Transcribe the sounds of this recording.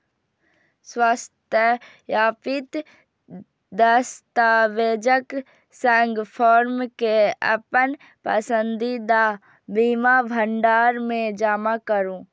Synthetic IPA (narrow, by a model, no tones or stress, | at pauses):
swast̪jə | jaːpɪt̪ | d̪əst̪aːʋeːd͡ʒək | sɛ̃ŋɡpʰɔːɾmkeə̰pən | pə̰sə̃nd̪id̪a | biːmabʱəɳɖaːɾmẽd͡ʒaːmakəɾũː